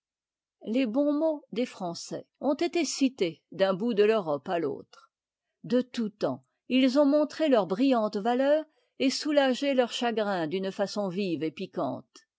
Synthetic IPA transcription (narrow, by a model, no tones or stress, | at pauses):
lebɔ̃mod̪efχɑ̃sɛ̰ɔ̃t̪et̪esit̪ed̪ɛ̃bud̪əløʁɔpalo̰ːt̪χ | d̪ət̪ut̪ɑ̰̃ | ilzɔ̃mɔ̃t̪χelœʁbʁijɑ̃t̪valœːʁ | esulaʒelœʁʃaɡʁɛ̃d̪ynfasɔ̃vivepikɑ̰̃t̪